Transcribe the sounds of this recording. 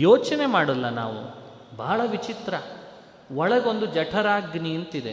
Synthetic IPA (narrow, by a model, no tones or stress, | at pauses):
joːt͡ʃɐne̞maːɽɐlːɐna̰ːʋṵ | bʱaːɭɐʋit͡ʃit̪ɾɐ | ʋɔɭɐɡo̞nd̪ud͡ʒɐʈʰɐɾaːɡniɐnt̪id̪e